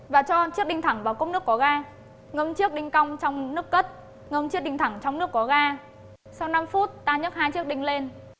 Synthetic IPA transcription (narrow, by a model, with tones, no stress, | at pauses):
vaː˨˩t͡ɕɔ˧t͡ɕɨ˦˥ək̚ɗi˧ŋ̟t̪ʰa˧˩ŋvaː˨˩wkə˧˦˥wŋ͡mnɨ˦˥kːɔ˨˩˦ɣaː˧ | ŋə˧mt͡ɕɨ˦˥ək̚ɗï˧ŋ̟ka˧wŋ͡mt͡ɕɔ˧wŋ͡mnɨ˦˥əkːə˦˥t̚ | ŋə˧mt͡ɕɨ˦˥k̚ɗi˧ŋt̪ʰa˧˩ŋt͡ɕɔ˧wŋ͡mnɨ˦˥əkːɔ˨˦ɣaː˧ | sa˧wna˧mfu˦˥t̚t̪aː˧ɲə˦˥t̚haː˧jt͡ɕɨ˦˥ək̚ɗï˧ŋ̟le˧n